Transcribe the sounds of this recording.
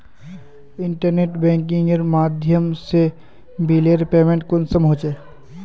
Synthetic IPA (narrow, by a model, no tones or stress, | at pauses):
ɪɳʈəɾneːʈbɛ̃ːŋkɪ̃ŋɡeɾmaːd̪ʱjəmse | bileɾpeːmẽɳʈ̚konsəmɦot͡ʃe